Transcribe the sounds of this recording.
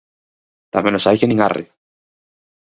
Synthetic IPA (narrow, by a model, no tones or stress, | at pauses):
t̪amẽnosajkenĩŋarḛ